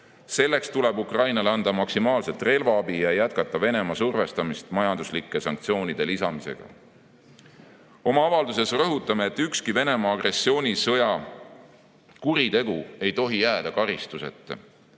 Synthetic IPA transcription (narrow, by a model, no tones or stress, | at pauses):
se̞lːe̞kst̪ule̞bukrɑjnɑleɑnd̪̥ɑmɑksimɑːlse̞t̪ːˑre̞lvɑɑbijɑjæt̪kɑt̪ːˑɑve̞ne̞mɑsurve̞st̪ɑmist̪mɑjɑnd̪̥uslikːˑesɑŋk̚t̪sio̞ːnid̪̥e̞lisɑmise̞̰ɡ̥ɑ̰ | o̞mɑɑvɑld̪use̞srɤɦut̪ːˑɑmeːt̪ːˑykskive̞ne̞mɑːɡre̞sːio̞ːnʲisɤ̞jɑ | kuɾit̪e̞ɡ̥ue̞jt̪o̞ɦijæːd̪ɑkɑɾist̪use̞̰t̪ːˑ